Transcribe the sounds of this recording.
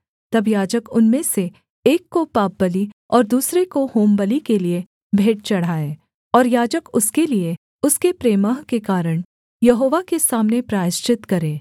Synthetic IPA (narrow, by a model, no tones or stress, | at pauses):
t̪ɐbjaːd͡ʒəkʊnmese | eːkːopaːp̚bəliɔːɾd̪uːsɾekohoːmbəlikelie | bʱeːʈ̚t͡ʃɐɽ̤aːeː | ɔːɾjaːd͡ʒəkʊskelie | ʊskepɾeːmaːɦkekaːɾəɽ̃ | jɐɦoːʋakesaːmnepɾaːjɪʃt͡ʃɪt̪kɐɾẽː